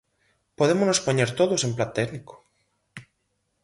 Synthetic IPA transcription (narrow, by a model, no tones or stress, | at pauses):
poðemoznospoɲeɾt̪oðosemplat̪ɛɣniko̥